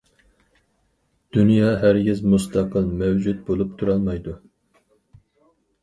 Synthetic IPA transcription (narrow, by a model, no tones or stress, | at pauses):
d̪̥unjɑːɦæɾɡʲizmust̪ʰɑqəlˠmæwd͡ʒut̪̚bolˠup̚t̪ʰuɾɑlˠmɑjd̪u